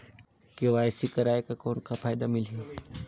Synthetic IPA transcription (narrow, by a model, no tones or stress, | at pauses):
keʋaːjsikɐɾaːekakɔːnkapʰaːjd̪amɪlɦi